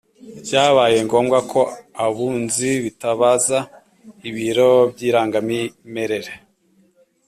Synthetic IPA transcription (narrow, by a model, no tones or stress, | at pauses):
caːβaːje̞ŋɡo̞ːmɡakʰo̞aβuːnziβitaβaza | iβiɾo̞b̚ɟiːɾaːŋɡamime̞ɾe̞ɾe